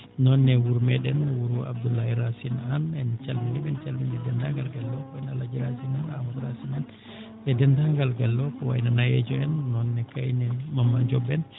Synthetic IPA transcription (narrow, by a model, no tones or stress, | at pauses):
nɔnːɛwuɾmɛɗɛnwuɾuwabdulːahiɾasinanɛnt͡ʃalminɛɓɛnt͡ʃalminɛdɛndaŋɡalɡalːɔkɔɛnalad͡ʒiɾasinanamutɾasinan | ʔɛdɛndaŋɡalɡalːɔkɔwa̰jnanajɛ̰d͡ʒɔɛnːɔnːɛkajnɛmamːaɲd͡ʒɔbɛn